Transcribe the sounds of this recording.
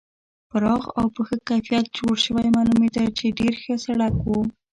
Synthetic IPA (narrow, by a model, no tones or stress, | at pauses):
pəɾɑɣawpəxəkajfijat̪̚d͡ʒoɽʃəwajmalumet̪at͡ʃeɖeɾxəsaɽakwu